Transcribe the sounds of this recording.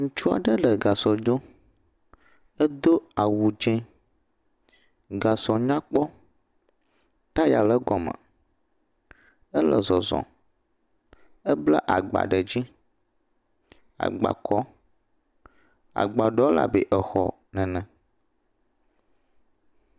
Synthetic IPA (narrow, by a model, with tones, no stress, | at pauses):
ŋũ˨t͡ʃu˦a̰˨ɖə˦ɖə˨ɡa˨sɔ˨d͡ʒo˦ | ə˦d̪o˦a˨wu˨d͡ʒɛ̃˦ | ɡa˨sɔ˨ɲã˦k͡pɔ˦ | t̪a˦ja˨lə˦ɡɔ˨mə̰̃˨ | ə˦lə̰˨zɔ˨zɔ̰̃˨ | ə˦blə˦ʔa̰˨ɡ͡ba̰˨ɖə˨d͡ʑi˦ | a̰˨ɡ͡ba̰˨kʰɔ˦ | a̰˨ɡ͡ba˨ɖɔ˦la̰˨be˨ʔə˨xɔ̰˨ | nɛ̃˨nɛ̃˨